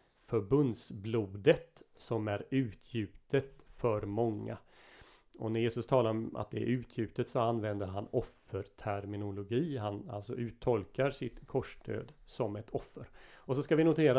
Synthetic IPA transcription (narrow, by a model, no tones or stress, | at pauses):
fœɾbɵnd̪sbluːd̪ət̪sɔmæɾʉ̟ːt̪ʰjʉ̟ːt̪ət̪fœɾmɔŋːa̰ | ʔɔnæɾjeːsɵst̪ʰɑːlaɾɔmʔa̰t̪̚d̪ɛæ̰ɾʉ̟ːt̪ʰjʉ̟ːt̪ət̪sɔanːvɛnd̪əɾɦanɔfəɾt̪ʰæɾmɪnʊlʊɡiːɦana̰lsɔ̰ʔʉ̟ːt̪ʰːɔlkaɾʂɪt̪kʰɔʂdø̰ːd̪sɔmɛt̪ʰɔfːəɾɔsɔskavɪnʊt̪ʰeːɾa